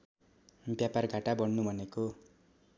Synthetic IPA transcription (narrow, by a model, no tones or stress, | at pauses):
bjaparɡʱaʈabʌɽnubʱʌneko